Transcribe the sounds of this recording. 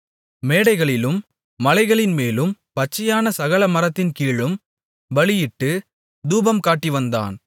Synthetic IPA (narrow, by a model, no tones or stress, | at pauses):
meːɽɐɪɣɐɭɪlɯmː | ɐlɐɪɣɐɭɪnmeːlɯmpɐt͡ʃːɪjaːnɐsɐɣɐlɐmɐɾɐt̪ːɪnkiːɻɯm | ʋɐɭɪjɪʈːɯ | d̪uːbɐmkaːʈːiʋɐnd̪a̰ːn